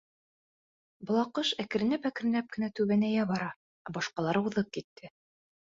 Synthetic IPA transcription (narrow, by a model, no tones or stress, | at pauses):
bŏlˠɑqɤʃækɘ̆ɾɘ̆nɘpækɘ̆ɾɘ̆næp̚kɘ̆næt̪ʉβænæjæβɑɾɑ | æbɑʃqɑlˠɑɾɤuðɤp̚kit̪ːɘ